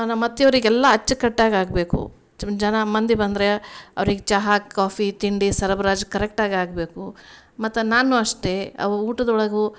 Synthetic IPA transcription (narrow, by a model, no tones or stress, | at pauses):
nɐmɐt̪ːjɐʋɐɾiɡɛlːɐɐt͡ʃːɐkɐʈːaːɡaːɡbe̞ːkṵ | d͡ʒɐnɐmɐnd̪ibɐnd̪ɾeɐ̰ʋɐɾiɡet͡ʃaɦakːaːpʰit̪iɳɖisɐɾɐbɾaːd͡ʒkɐɾek̚ʈaːɡiaːɡbe̞ːkumɐt̪ːɐnaːnuɐʂʈe̞ɐ̰ʋɾuːʈɐd̪ɐɔɭɐɡu